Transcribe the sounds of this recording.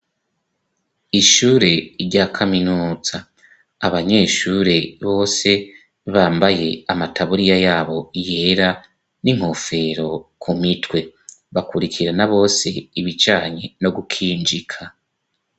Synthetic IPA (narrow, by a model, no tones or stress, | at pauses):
iʃuːɾe̞iɾɟaːkʰaminuːz̥aː | βaɲe̞ːʃuɾe̞βo̞ːse̞ | βaːmbaje̞amatʰaβuɾijajaːβo̞ije̞ːɾa | niŋ̥ho̞fe̞ɾo̞kʰumitwe̞βakuɾikʰiɾanaβo̞ːse̞iβit͡ʃaːɲeno̞ɡukʰiːnd͡ʒikʰa